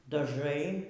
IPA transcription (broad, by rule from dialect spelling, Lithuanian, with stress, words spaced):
dɐˈʒɐɪ